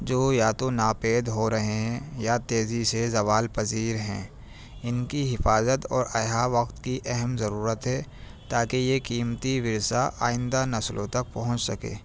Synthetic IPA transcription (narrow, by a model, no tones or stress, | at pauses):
d͡ʒoːjaːt̪onaːpeːd̪ɦoɾɐɦeɦɛ̃jat̪eːzisezɐʋaːlpɐziːɾɦɛ̃ | ɪnkiɦɪfaːzət̪ɔːɾɐjɦaʋɐqt̪kiʔɛɦɛmzɐɾuːɾət̪ɦɛː | t̪aːkejekiːmt̪iʋɪɾsaʔaːɪ̃nd̪anɐslõt̪ɐk̚pɐɦʊ̃t͡ʃsɐkḛː